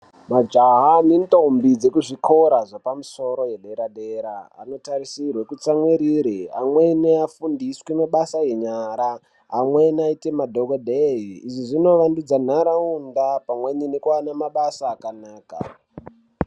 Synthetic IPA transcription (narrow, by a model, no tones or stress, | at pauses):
mad͡ʒaɦanintombid͡ze̞kuʐiko̞ɾaʐepamuso̞ɾo̞je̞ɗe̞ɾaɗeːɾaa̰no̞taɾisirwekut͡samweɾiːɾea̰mwe̞neafundiswemaɓasaje̞ɲaɾaː | mwenaite̞madʱokodʱeɦiːʐiʐino̞ʋandud͡zan̤aɾaundapamweɲinekuanamaɓasaːkanaːka̰